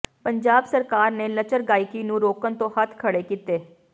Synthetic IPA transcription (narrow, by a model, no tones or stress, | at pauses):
pəɲd͡ʒaːbsəɾkaːɾneːlət͡ʃəɾɡaːɪkiːnũːɾoːkənt̪õːhət̪ʰkʰəɽeːkit̪eː